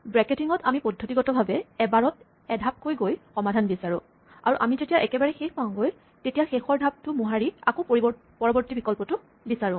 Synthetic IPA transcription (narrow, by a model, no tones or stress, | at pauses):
bɹɛketiŋɔtamipɔdʱːotiɡɔtɔbʱabɛɛbaɹɔt | ɛdʱap̚kojɡojxɔmadʱanbisaɹʊ̃ | a̰ɹuʔamizetijaʔɛkɛbaɹɛxexpaʊ̃ɡoj | tetijaxexɔɹdʱab̚tʊmuɦaɹia̰kop | pɔɹɔbɔɹtibikɔlpɔtʊ | bisaɹʊ̃